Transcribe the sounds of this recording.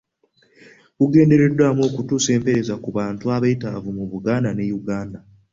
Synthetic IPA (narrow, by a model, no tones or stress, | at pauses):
kuɡe̞ːnde̞ɾe̞dwaːmo̞ːkutuːse̞ːmpe̞ɾe̞zakuβaːntuaβaitavumuβuɡaːndane̞juɡaːnda